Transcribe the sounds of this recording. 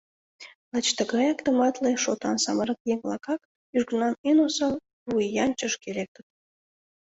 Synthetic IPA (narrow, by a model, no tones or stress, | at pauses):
lɑt͡ɕt̪əɡɑjɑkt̪omɑt̪leʃot̪ɑ̰nsɑməɾəkjeŋlˠɑkɑk | yʒɡənɑmenosɑl | βujjɑnt͡ɕəʃkelek̚t̪ə̆t̪̚